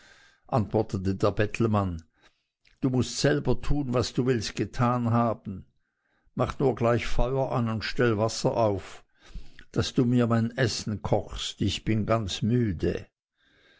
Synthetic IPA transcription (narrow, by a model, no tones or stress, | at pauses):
ʔantv̥ɔɐtətədeːɐbɛtʰl̩man | d̥uːmʊstz̥ɛlbɐtʰuːnvasd̥uːvɪlst̚ɡ̥ətʰaːnɦaːbn̩ | maχnuːɐɡlaɪçfɔʏɐʔanʊntʃtɛlvasɐʔaʊf | d̥asd̥uːmiːɐmaɪnʔɛsn̩kʰɔχstɪçb̥ɪnɡant͡smyːdə̰